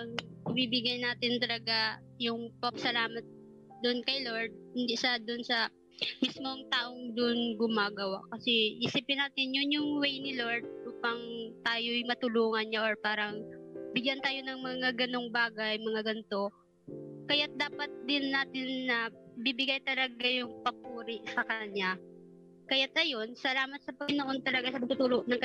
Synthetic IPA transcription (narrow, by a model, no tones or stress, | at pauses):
ɐŋmibɪɡɐjnaːt̪ɪnt̪ɐlɐɡa | jʊŋpɐpsɐlaːmɐt̪̚ | d̪ʊnkɐjlo̞ɹd̪̚hɪnd̪iʃad̪ʊnsɐ | mismoŋt̪aːʔo̞ŋd̪ʊʔnɡʊmaːɡɐwa̰kɐsɛʔisɪpɪnaːt̪ɪnjʊnjʊŋwɛjnɪlo̞ɹd̪̚ʔuːpɐŋt̪aːjojmɐt̪ʊluːŋɐnɲaʔoɹpaːɾɐŋbɪɡjant̪aːjo̞nɐŋmɐŋaɡɐno̞ŋbaːɡɐjmɐŋaɡɐnt̪o̞ | kɐjat̪̚d̪aːpɐt̪̚d̪ɪnːaːt̪ɪnːɐbɪbɪɡajt̪ɐlɐɡajʊŋpɐpuːɾɪʔsɐkɐɲa | kɐjat̪̚ʔɐjo̞nsɐlaːmɐt̪̚sɐpɐɪnoʔo̞nt̪ɐlɐɡasɐmɐt̪ut̪uːloʔnɐŋk